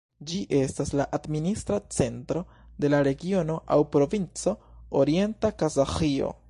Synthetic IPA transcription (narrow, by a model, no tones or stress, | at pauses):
d͡ʒiʔe̞staslaʔadministɾat͡se̞ntɾo̞ | de̞laɾe̞ɡio̞no̞ʔa̰wpɾo̞vint͡so̞oɾie̞ntakazaxio̞̰